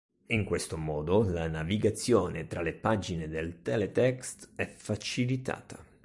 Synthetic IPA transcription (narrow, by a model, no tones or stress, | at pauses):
iŋkwest̪omɔːd̪olanaviɡat̪sːjoːnet̪ɾalepad͡ʒined̪elt̪ɛlet̪ɛkst̪ɛfat͡ʃilit̪ʰa̰ːt̪ʰa